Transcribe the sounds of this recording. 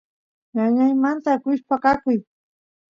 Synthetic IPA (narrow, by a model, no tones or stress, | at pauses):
ŋaɲajmant̪akʊʃpakakʊj